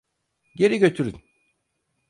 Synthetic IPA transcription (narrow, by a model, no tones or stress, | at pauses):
ɟe̞ɾiɟø̞t̪ʰyɾy̰n